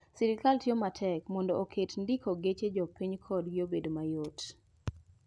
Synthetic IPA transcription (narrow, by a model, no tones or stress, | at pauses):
sɪɾɪkaltjomatʰɛkmɔndɔokʰetndikʰoɡet͡ʃed͡ʒɔpiɲkʰɔdɡjobedomajot